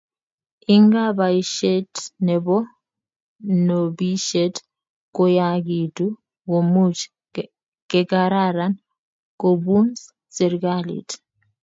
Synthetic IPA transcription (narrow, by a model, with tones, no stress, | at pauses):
i˦ŋɡa˦ba˨i˨ʃɛ˦tnɛ˨bɔ˦ | no˨bi˦ʃe˦t | ko˦ja˦ɡi˨tu˦ | ko˨mu˦t͡ʃ | kɛ˨ka˦ɾa˦ɾa˦n | ko˨bu˦ns | se˨ɾɡa˦lḭ˨t